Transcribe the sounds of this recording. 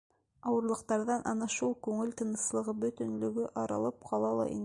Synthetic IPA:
ɑwɤ̆ɾlˠɤ̆qt̪ɑɾðɑnʔɑnɑʃulˠkʉŋɘlt̪ɤ̆nɤ̆slˠɤ̆ʁɤbɵ̆t̪ɵ̆nlɵ̆ɡɵʔɑɾɑ̰lˠɤp̚qʰɑlˠɑlˠɑ̰ʔḭn

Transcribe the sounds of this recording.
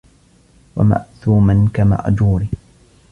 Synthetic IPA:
wa̰ma̰ʔθuːmankama̰ʔd͡ʒuːɾiː

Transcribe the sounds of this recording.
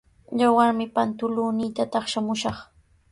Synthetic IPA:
ʎawaɾmɪpant̪ʊluːnɪjt̪at̪ɑχʃamʊʃɑχ

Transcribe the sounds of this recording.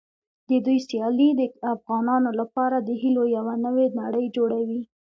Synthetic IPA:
d̪əd̪ujsjɑlid̪əafɣɑnɑnolapɑɾad̪əɦilojawanəwenaɽəjd͡ʒoɽawi

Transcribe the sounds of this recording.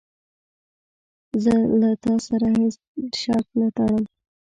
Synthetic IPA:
zəlat̪ɑsaɾahes | ʃɑɾt̪nat̪ɑɽəm

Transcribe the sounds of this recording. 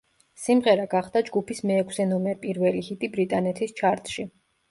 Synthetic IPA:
simʁɛɾaɡaχd̪ad͡ʒɡupʰismɛːkʰsɛnɔmɛpʼiɾvɛlihit̪ʼibɾit̪ʼanɛt̪ʰist͡ʃʰaɾt̪ʼʃi

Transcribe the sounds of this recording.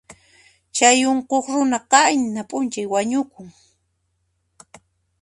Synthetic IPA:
t͡ʃajoɴqoχɾʊnaqɑjnapʼʊnt͡ʃajwaɲʊkʊŋ

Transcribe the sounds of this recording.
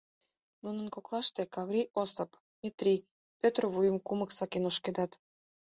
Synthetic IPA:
nunə̆nkoklˠɑʃt̪ekɑβrʲiʔosəp | mʲet̪rʲi | pʲøt̪rβujə̆mkumə̆ksɑkenoʃked̪ɑt̪

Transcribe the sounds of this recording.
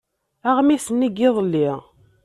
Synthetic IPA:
aʁmisənːiɡɪðˤəlːi

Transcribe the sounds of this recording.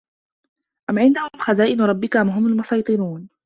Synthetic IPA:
ʔamʕɪnd̪ahʊʊmxazaːʔɪnɾˤɑbːɪkaʔamɦʊmalmʊsɑjt̪ˤɨɾuːn

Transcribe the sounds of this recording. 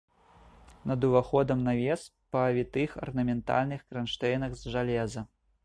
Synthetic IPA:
nɐd̪uvaxɔd̪ɐmnavʲɛspɐvʲit̪ɨxɐ̰rnɐmʲɛnt̪a̰lʲnɨxkɾanʂt̪ɛjnɐɣzʐalʲɛzɐ

